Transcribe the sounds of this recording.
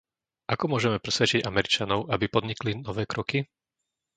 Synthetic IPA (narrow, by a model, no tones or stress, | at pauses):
ʔakɔmʊɔʒɛmɛpɾɛsʋɛt͡ʃiɟamɛɾit͡ʃanɔʊʔabipɔd̪ɲiklinɔʋɛːkɾɔki